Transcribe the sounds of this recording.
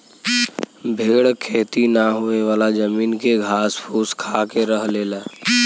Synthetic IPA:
bʱeːɽkʰeːt̪inaɦoeʋaːlad͡ʒəmiːnkeɡʱaːspʰuskʰakeɾəɦleːlaː

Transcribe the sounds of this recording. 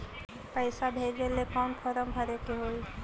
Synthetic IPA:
pajsabʱeɾelekanpʰɔɾɔmbʱaɾekeɦoj

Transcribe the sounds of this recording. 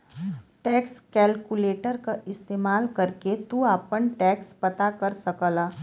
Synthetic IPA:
ʈɛːkskɛːlkuleːʈəɾkaʔɪst̪eːmaːlkɐɾket̪uaːpənʈɛːkspɐt̪akɐɾsɐkəlaː

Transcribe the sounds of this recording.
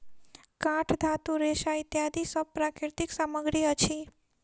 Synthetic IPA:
kãʈʰd̪ʱat̪uɾeʃait̪jad̪isəb̚pɾakɪɾt̪iksaməɡɾiət͡ʃʰi

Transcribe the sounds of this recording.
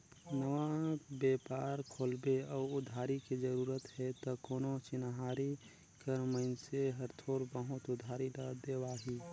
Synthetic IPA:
nəʋabeːpaːɾkʰoːlbeɔːʊd̪ʱaːɾikid͡ʒəɾuːɾət̪ɦɛt̪ɔkoːnot͡ʃɪnɦaːɾi | kəɾməɪnseɦəɾt̪ʰoːɾbəɦʊt̪ʊd̪ʱaːɾiləd̪eːʋaːɦiː

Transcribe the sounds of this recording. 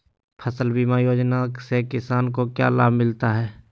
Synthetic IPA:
pʰəsəlbimajoːd͡ʒnasekɪsaːnkokja̰laːbʱmɪlt̪aɦɛː

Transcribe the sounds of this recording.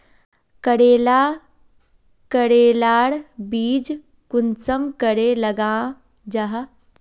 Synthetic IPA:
kəɽeːlaː | kəɽeːlaːɽbiːd͡ʒ | kʊnsəmkəɽelɐɡãː | d͡ʒɐɦ

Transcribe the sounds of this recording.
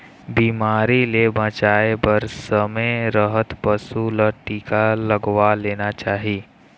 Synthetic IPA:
biːmaːɾilebə̃t͡ʃaːebəɾsəmeɾəɦət̪pəsuləʈiːkaləɡwaleːnat͡ʃaːɦiː

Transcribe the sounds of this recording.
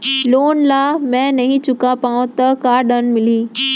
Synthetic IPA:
loːnlaːmɛ̃nɐɦĩt͡ɕʊkãpaːũt̪ɐkaːɗənmɪliː

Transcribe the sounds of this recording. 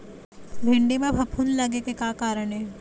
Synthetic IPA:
bʱɪ̃ɳɖimẽbʱɐpʰunlɐɡekekaːkaːɾəɽɦɛː

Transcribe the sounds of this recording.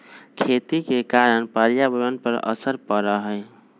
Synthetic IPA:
kʰet̪ikekaɾənpəɾjabəɾənpəɾə̰səɾpəɾəɦəj

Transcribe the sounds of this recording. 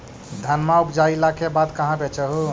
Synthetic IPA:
d̪ʱanmaupd͡ʒailakebat̪kəɦãbet͡ʃəɦu

